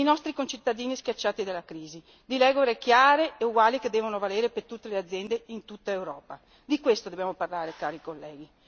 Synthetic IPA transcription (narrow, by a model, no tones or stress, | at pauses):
inɔst̪ɾikont͡ʃit̪ːad̪iːniskjat͡ʃːaːt̪id̪alːakɾiːzi | d̪ilɛɡoɾekjaːɾeːuɡwaːliked̪ːɛːvonovaleːɾepert̪ut̪ːelead̪zːjɛnd̪eint̪ut̪ːaewɾɔːpa | d̪ikwest̪od̪objaːmoparlaːɾekaːɾikolːɛːɡi